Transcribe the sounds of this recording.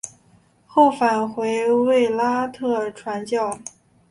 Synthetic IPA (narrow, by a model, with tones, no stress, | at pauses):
xo˥˩ʊfa˨˩nxwe˧˥ɪwe˥˩ɪla˥t̪ʰɤ˥˩ʈ͡ʂʰwa˧˥nt͡ɕjɑ˥˩ʊ